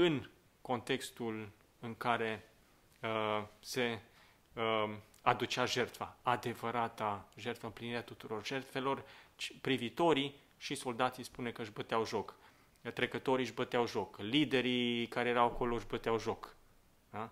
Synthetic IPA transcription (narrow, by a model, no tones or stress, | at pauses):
ɨn | ko̞nt̪e̞kst̪ul | ɨŋkaɾe̞ | əse̞ | ad̪ut͡ʃeaʒe̞rt̪faad̪e̞vəɾat̪aʒe̞rt̪fəɨmpliniɾeat̪ut̪uɾo̞rʒe̞rt̪fe̞lo̞rt͡ʃpɾivit̪o̞ɾi | ʃiso̞ld̪at̪sispunekəɨʃbət̪eawʒok | t̪ɾe̞kət̪o̞ɾiʒbət̪eawʒo̞klid̪e̞ɾikaɾe̞jeɾawako̞loʒbət̪eawʒo̞k | a